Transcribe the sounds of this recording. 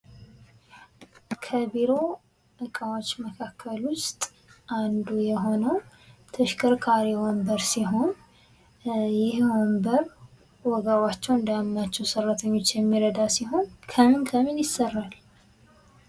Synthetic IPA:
kʰəbiɾo̞ | ʔɨkʼawot͡ʃːməkʰakːəlwʊst̪ʼ | ʔand̪ujɛɦo̞nəwt̪ʰəʃkʰʼəɾkʼʰaɾiwɔmbəɾsiɦo̞n | jɪhwɔmbəɾ | wɔɡawat͡ʃːɛwɨnd̪əmnat͡ʃːɛwsərːət̪ʰəɲːo̞t͡ʃːjɛmːiɾəd̪asiɦo̞nkʰəmɨnkʰəmɨnjɪsːərːal

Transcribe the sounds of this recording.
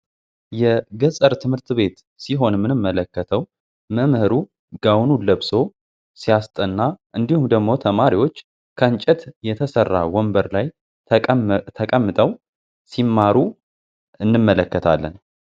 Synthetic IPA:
jɛɡəsʼəɾt̪ʰɨmhɨɾt̪βe̞t̪ | siɦo̞nmːɨnɨmːələkːət̪ʰəw | məmhɨɾu | ɡawnuləβso̞ | sijast̪ʼənːaʔɨnd̪ihumd̪əɡmo̞t̪ʰəmaɾiwo̞t͡ʃː | kʰəɨnt͡ʃʼɛt̪jɛt̪ʰəsərːa̰wɔmbəɾlaj | t̪ʰəkʼəmːɨt̪ʼəw | simːaɾu | ɨnːɨmːələkːət̪ʰa̰lːə̰n

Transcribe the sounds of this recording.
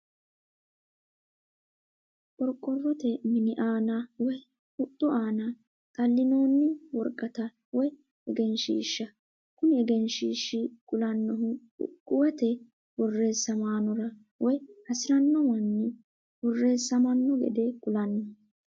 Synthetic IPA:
ʔʼɔɾkʼːɔrːɔt̪ɛmɪnɪʔaːnɐwɔj | hʊt̪ʼːʊʔaːnɐ | t̪ʼɐlːɪno̞ːnːɪwɔɾkʼːɐt̪ɐ | wɔj | ɛɡɛnʃiʃːɐ | kʊnɪɛɡɛnʃiʃːɪkʼʊlɐnːɔɦʊ̰ | kʼːʊwɛt̪ɛ | wɔrːe̞ːsːɐmaːnɔɾɐ | wɔjhɐsɪɾɐnːɔwɐnːɪ | wɔrːe̞ːsːɐmɐnːɔɡɛ̰d̪ɛkʼʊlɐnːɐ

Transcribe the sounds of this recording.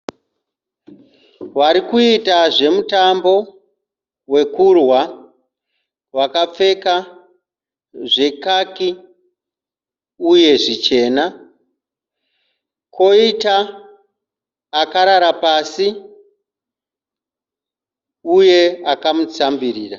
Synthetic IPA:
waɾikuitaʐe̞mutambo̞ | we̞kurwa | wakap͡fe̞ka | ʐe̞kaki | uje̞ʐit͡ʃe̞ːna | ko̞ita | kaɾaɾapaːsi | uje̞akamut͡sambiɾiːra

